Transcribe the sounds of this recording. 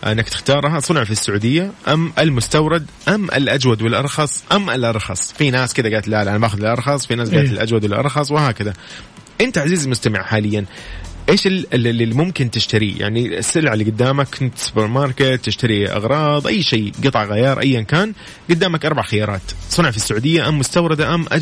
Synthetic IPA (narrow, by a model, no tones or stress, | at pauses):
ʔɪ̰nːakt̪ɪ̥xt̪ɑːɾˤɦasˤʊnʕfisːʊʕuːd̪ɪjːaʔamːʔɪlmʊst̪awɾˤɑd̪ʔamːʔɪ̰lʔad͡ʒwad̪wɪlʔɑɾˤxɑsˤʔamːʔɪlʔɑɾˤxɑsˤfinaːskɪd̪aɡaːt̪ɪlʔaːlʔanabaːxʊd̪ɪlʔɑɾˤxɑsˤfinaːs̬ɡaːt̪ɪlʔad͡ʒwad̪wɪlʔɑ̰ɾˤxɑsˤwɪhaːkaða | ʔɪnt̪aʕaziːzlmʊst̪amɪʕħaːlɪjːanʔeːʃɪlmʊmkɪnt̪ɪʃt̪aɾija̰ʕnḭsːɪlʕɪlːiɡʊd̪ːaːmakɪnt̪sʊ̥bɪɾmɑɾˤkɪt̪ːɪʃt̪aɾiʔɑ̰ɣɾˤɑːðˤʔajːʃeːɡɨt̪ˤɑʕɣajɑːɾˤʔa̰jːankaːn | ɡʊd̪ːaːmakʔɑɾˤbaʕxɪjɑːɾˤɑːt̪sˤʊnɑʕfisːaʕuːd̪ɪjːaʔamːʊst̪awɾˤɑd̪aʔamʔa